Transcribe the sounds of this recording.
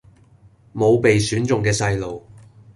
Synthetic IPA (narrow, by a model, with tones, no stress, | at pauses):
mo˨˧wpe˨jsyː˨˥nt͡sʊ˨˩ŋkɛː˧sɐ˧jlo˨w